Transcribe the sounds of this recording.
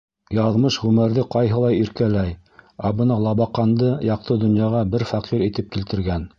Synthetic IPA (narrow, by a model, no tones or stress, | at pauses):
jɑðmɤʃʁʉmɘ̆ɾðɘqɑjɦɤ̆lˠɑjiɾkælæj | æbɤnɑlˠɑβɑqɑnd̪ɤjɑq̚t̪ɤd̪ŏnjɑʁɑbɘɾfæqiɾit̪ɘp̚kilt̪ɘ̆ɾɡæn